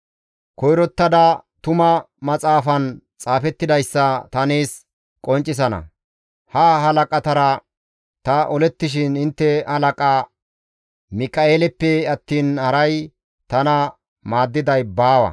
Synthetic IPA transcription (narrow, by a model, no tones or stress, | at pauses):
kɔjɾɔt̪ːɐd̪ɐt̪ʊmɐ | mɐt͡sʼaːfɐnt͡sʼaːfɛt̪ːɪd̪ɐjsːɐt̪ɐneːs | kʼɔnt͡ʃʼːɪs̬ɐnɐ̰ | hɐɦɐlɐkʼɐt̪ɐɾɐ | t̪ɐʔɔlɛt̪ːɪʃ̬ɪnɪnt̪ːɛhɐlɐkʼɐ | mɪkʼɐeːlɛpːɛɐt̪ːiːnhɐɾɐj | t̪ɐnɐ | maːd̪ːɪd̪ɐjbaːwɐ̰